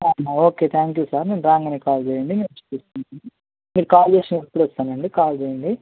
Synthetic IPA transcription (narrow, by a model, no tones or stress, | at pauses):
aːaoːkeːt̪ʰaːŋkjuːsaːɾnenɾaːŋɡɐneːkaːld͡ʒeːjɐɳɖineːt͡ʃe̥pːist̪unɐni | miːɾukaːld͡ʒeːʂɐnepːuɽɔst̪aːnɐɳɖikaːld͡ʒeːjɐɳɖi